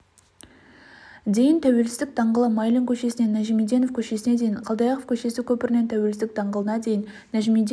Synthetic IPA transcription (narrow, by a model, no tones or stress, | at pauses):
d̪e̞jɪnt̪ʰæwe̞lsɪzd̪ɪk̚d̪ɑɴʁəlˠəmɑjlʲiŋkʲʰɵʃe̞sɪne̞nːæʒimid̪e̞no̞fkʲʰɵʃe̞sɪne̞d̪e̞jɪɴqʰɑlˠd̪ɑjɑqofkʲʰɵʃe̞sɪkʲʰɵpɪɾɪnet̪ʰæwe̞lsɪzɪk̚d̪ɑɴʁəlˠənɑd̪e̞jɪnːæʒimid̪